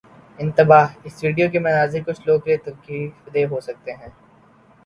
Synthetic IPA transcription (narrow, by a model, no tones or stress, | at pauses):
ɪ̃nt̪ɪbaːɦɪsʋiːɖijok̬emɐnaːzɪɾkʊt͡ʃʰloːɡkɾet̪ɐɾkiːfd̪eːɦosɐk̚t̪eɦɛ̃ː